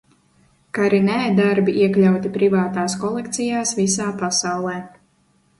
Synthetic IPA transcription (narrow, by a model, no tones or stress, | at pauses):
kaɾinɛd̪aɾbiiɛklʲawt̪ipɾivaːt̪aːskɔlˠɛk̚t̪sijaːsvisaːpasawlˠɛː